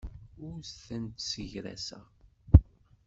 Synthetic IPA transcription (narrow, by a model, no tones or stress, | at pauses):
ʊɾsθənt̪səʝɾæ̰sæ̰